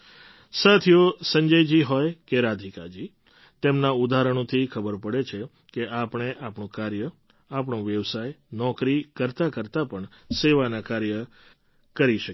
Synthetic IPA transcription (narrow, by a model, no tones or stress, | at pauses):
sat̪ʰijosəɲd͡ʒəjd͡ʒiɦɔjkeɾad̪ʱikad͡ʒi | t̪emnaud̪aɾəɳ̃õt̪ʰikʰəbəɾpəɽet͡ʃʰe | keʔapɳ̃eʔapɳõkaɾjə | apɳõʋjəʋsajnɔkɾikəɾt̪akəɾt̪apəɳ | seʋanakaɾjə | kəɾiʃək